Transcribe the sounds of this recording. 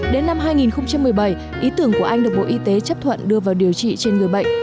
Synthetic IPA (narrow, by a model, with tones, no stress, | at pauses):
ɗe˨˦nːa˧mɦaː˧jŋi˨˩nxə˧wŋ͡mt͡ɕa˧mːɨ˨˩əjɓə˧˩j | ʔi˨˦t̪ɨ˧˩əŋku˧˩əʔa˧jŋ̟ɗk̚ɓo̰˧ʔi˧˦t̪e˨˦t͡ɕə˦˥p̚t̪ʰwə̰˧˨nɗɨ˧əvaː˨˩wɗi˨˩əwt͡ɕḭ˧˨t͡ɕe˧nŋɨ˨˩əjɓə̰˧˨ŋ̟